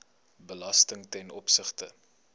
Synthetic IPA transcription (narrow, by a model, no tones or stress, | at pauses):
bəlɐstəŋtɛnɔpsəχtə